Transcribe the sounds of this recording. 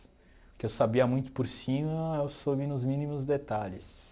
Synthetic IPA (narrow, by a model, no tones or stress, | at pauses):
ʊkɪewsabiɐmũj̃t̪ʊ̥poɾsĩmɐewsovinʊzmĩnimʊzd̪et̪aʎɪs